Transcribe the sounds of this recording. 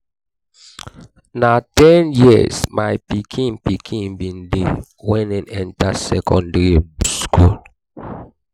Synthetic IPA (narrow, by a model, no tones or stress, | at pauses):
natɛnjismajpikʰĩnpikʰĩnbĩnde | wɛ̃ninɛ̃ntasɛkɔ̃ndɹiskul